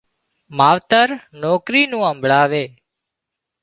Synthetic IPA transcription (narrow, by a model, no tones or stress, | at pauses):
maːʋt̪əɾnoːkɾiːnũːəmbʱɭaːʋeː